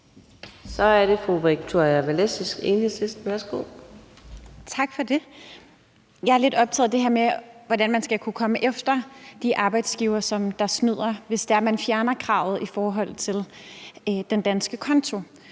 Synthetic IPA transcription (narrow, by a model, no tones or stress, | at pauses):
sɒ̽æɐɾe̝fʁuʋiɡ̥t͡sʰoɐæʋælesisɡ̥ḛːnhe̝sesd̥̩ʋæɐsɡ̥o̝̰ː | t͡sʰɑ̈ɡ̥fɒde̝ | jɑ̈ɪæɐle̝d̥ɒ̽b̥̚t͡sʰɛ̰ːð̩ˠd̥e̝ɦeɐ̰meʋɒdænmænsɡ̥ækʰukʰɒ̽məʔefd̥ɐd̥iʔɑ̈ːb̥ɑ̈ɪd̥sɡ̥iʊɐsɒ̽md̥ɑ̈snyð̞̰ˠɐʋe̝sd̥eæɐmænfjæɐnɐkʰʁɑ̈ʊð̩ˠifɒːɦɒ̽l̰t͡sʰe̝l | d̥end̥ænsɡ̥əkʰɒ̽nt͡sʰo̝